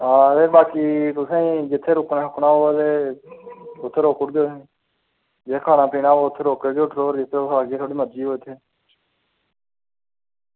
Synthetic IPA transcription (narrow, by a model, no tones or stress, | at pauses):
aːɾeːbaːkiːt̪ʊsẽĩːd͡ʒɪt̪ʰːeːɾʊknaːɦʊknaːɦoːt̪eː | ʊt̪ʰːeːɾoːkʊʈd̪oːsẽ | d͡ʒekʰaːnaːpiːnaːoːʊt̪ʰːeːɾoːkːəɾd̪oːʈɾoːɾd͡ʒɪt̪ʰːeːoaːkd͡ʒeːt̪ʰoːɽiːməd͡ʒiːɦoːt̪ʰeː